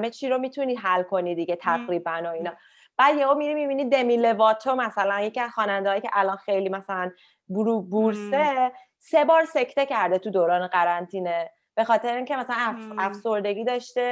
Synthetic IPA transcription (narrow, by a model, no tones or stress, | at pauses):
met͡ʃʰiɾo̞mit̪ʰuniːd̪ɦælkʰo̞nid̪iɡe̞t̪ʰæɣɾiːbænoinɒː | b̥æd̪jevomiɾimibiniːd̪emilevɒːt̪ʰomæsælænje̞ciæzxɒːnænd̪eɒːjiːcʰʲe̞̰ʔælɒːnxejliːmæsælæn | buɾubuɾse | se̞bɒːɾse̞cʰt̪e̞cʰæɾd̪et̪ʰud̪oːɾɒːneɢæɾænt̪ʰiːne | b̥e̞xɒːt̪ʰe̞ɾeiːŋcʰe̞mæsælænæfso̞ɾd̪e̞ɡʲiːd̪ɒʃt̪e̞